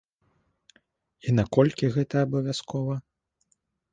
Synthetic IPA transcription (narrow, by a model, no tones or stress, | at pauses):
inakɔlʲkʲiɣɛt̪ɐːbɐvʲjaskʰɔvɐ